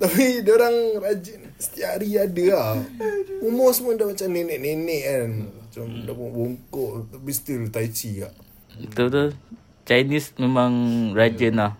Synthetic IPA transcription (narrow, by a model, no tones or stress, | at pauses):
t̪apidoɾaŋrad͡ʒən | st̪iaʔɾiadəahumɔsmadaʔmat͡ʃamnenɛʔnenɛʔanmat͡ʃamdaʔpoŋʔboŋkɔʔt̪abist̪ilt̪ait͡ʃiɡa̰ʔ | t̪ut̪u | t͡ʃajnismemaŋrad͡ʒənlah